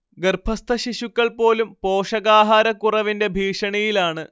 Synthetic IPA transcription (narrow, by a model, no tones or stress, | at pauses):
ɡerbʰʱɐst̪ʰɐɕiɕukːɐɭpo̞ːlumpo̞ːʂɐɣaːɦaːɾɐkːurɐʋinde̞bʱiːʂɐɳɐjilaːɳɨ